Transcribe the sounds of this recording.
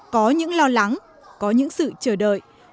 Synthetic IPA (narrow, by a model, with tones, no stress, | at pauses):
kɔ˨˦ɲɨ̰˧˥ŋlɔ˧la˨˦ŋ | kɔ˨˦ɲɨ̰˧˥ŋsɨ̰˧˨t͡ɕəː˧˩ɗə̰ː˧˨j